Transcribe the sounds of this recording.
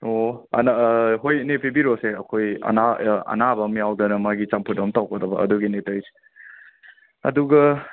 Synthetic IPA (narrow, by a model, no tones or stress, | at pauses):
oɐ̰naɦojnepʰibiɾoseɐkʰojɐ̰naɐ̰nabɐmijawdɐnɐmaɡit͡ʃampʰut̚ɐmtawkʰɐdɐbɐ̰ɐ̰duɡinetojsi̥ | ɐ̰duɡɐ